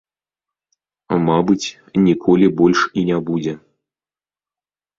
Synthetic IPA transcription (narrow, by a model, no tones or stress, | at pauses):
mabɨt͡sʲ | nʲikʰɔlʲibɔlʲʂinʲabud͡zʲɛ